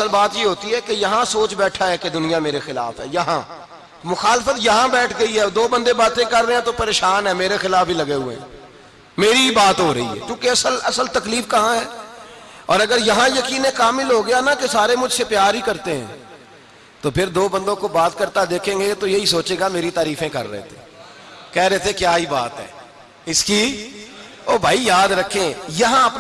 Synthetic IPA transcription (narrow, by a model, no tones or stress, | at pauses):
ɐsəlbaːt̪jeɦoːt̪iɦɛkejɐɦãsoːt͡ʃbɛːʈʰaɦɛked̪ʊnijameːɾexɪla̰ːfɦɛ̰ːjɐɦã | mʊxaːlɪfət̪jɐɦãbɛːʈʰɡɐiɦɛd̪oːbɐ̃nd̪ebaːt̪ẽkɐɾːəeɛ̃t̪opɐɾeːʃaːnɦɛːmeːɾexɪlaːfɦilɐɡeɦʊḛɛ̃ | meːɾibaːt̪ɦoːɾɐ̰ɦḭɦɛ̰ːkjũːkeɐsəlɐsəlt̪ɐkliːfkɐɦãɦɛː | ɔːɾɐɡəɾjɐɦãjɐkiːnẽkaːmɪlɦoɡɐjanakesaːɾemʊd͡ʒʱsepjaːɾɦikɐɾt̪eɦɛ̰̃ː | t̪opʰɪɾd̪oːbɐ̃nd̪õkobaːt̪kɐɾt̪ad̪eːkʰẽːŋɡet̪ojeɦisoːt͡ʃẽːɡameːɾit̪aːɾiːfẽkɐɾːɐ̰ɦḛt̪ʰẽ | kɛːɾɛɦet̪ʰekjaːɦibaːt̪ɦɛ̰ː | ɪski | oːbʱaːijaːd̪ɾɐkʰẽjɐɦãɐp